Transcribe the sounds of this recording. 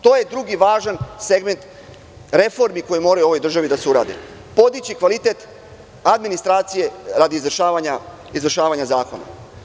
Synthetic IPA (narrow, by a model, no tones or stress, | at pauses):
t̪o̞ːje̞d̪ɾuɡiʋaːʒanse̞ɡme̞nt̪ | ɾe̞fo̞ɾmiko̞jimo̞ːɾajuo̞ʋojd̪r̩ʒaʋid̪aseuɾa̰ːd̪ḛ | po̞d̪it͡ɕikʋalit̪e̞t̪ | ad̪minist̪ɾaːt̪sije̞ɾad̪izʋr̩ʃaːʋaɲa | izvr̩ʃaːʋaɲazaːko̞na̰